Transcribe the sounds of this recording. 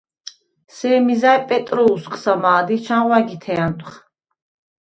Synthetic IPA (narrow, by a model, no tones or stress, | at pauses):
sɛːmizajpʼɛt̪ʼɾɔusqʰʼsamaːd̪it͡ʃʰanʁwaɡit̪ʰɛant̪ʼχ